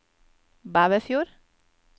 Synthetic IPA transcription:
baːʋəfjuːɾ

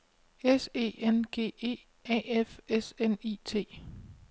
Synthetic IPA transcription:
ese̝̰ːenɡ̥e̝̰ːe̝̰ː | ɛ̰efesenit͡sʰe̝̰ː

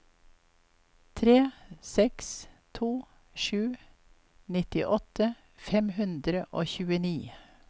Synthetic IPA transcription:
t̪ʰɾeːsɛkst̪ʰuː | ʃʉː | nɪt̪ɪʔɔt̪ə | fɛmhʉnd̪ɾəʔoːçʉːəniː

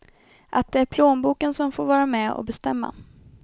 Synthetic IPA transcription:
ʔat̪̚d̪ɛæɾpʰloːnbuːkənsɔmfoːɾvɑːɾamɛɔ̰bɛst̪ɛmːa̰

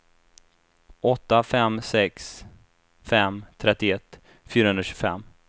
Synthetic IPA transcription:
ʔɔt̪ːafɛmsɛks | fɛmt̪ʰɾɛt̪ːɪɛt̪ː | fyːɾahɵnɾaɕʉɡfɛ̰mː

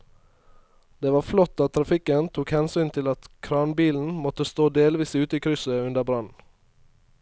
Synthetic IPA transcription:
d̪̥eːʋɑːflɔt̪ːɑt̪ʰːɾɑfɪkənt̪ʰuːkhɛnsyːnt̪ʰɪlɑt̪kʰɾɑːnbiːln̩mɔt̪əst̪oːd̪eːlʋiːsʉːt̪əiːkʰɾʏsəʉnd̪əbɾɑnn̩

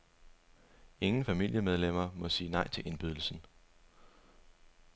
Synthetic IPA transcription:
e̝ŋn̩fæmil̰jəmeð̞ˠlem̰ɐmɒ̽siːnɑ̈ɪ̰t͡sʰe̝ʔe̝nb̥yðˠl̩sn̩

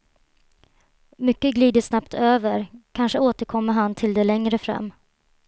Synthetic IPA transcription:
mʏkːəɡliːd̪əsnapt̪ʰøːvəɾkʰanʂəoːt̪əɾkʰɔmːəɾɦant̪ʰɪld̪ɛlɛŋɾəfɾɛ̰mː

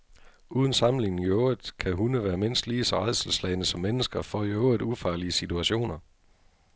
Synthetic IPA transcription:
uːð̞ˠən̩sɑ̈mle̝ŋn̩joːð̥ˠkʰæɦunəʋæːɐmen̰sd̥liːsɒ̽ʁɑ̈ðˠsl̩slɛɪnəsɒ̽mːenəsɡ̥ɐfɒæjoːðˠufɑ̈ːliəsit͡sʰuæɕo̝̰ːnɐ

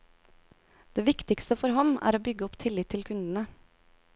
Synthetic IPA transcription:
d̪̥eːʋɪkt̪ɪkst̪əfɔɾɦɔmæ̰ːɾoːbʏɡəɔpt̪ʰɪlɪt̪ʰːɪlkʰʉnd̪n̩ə

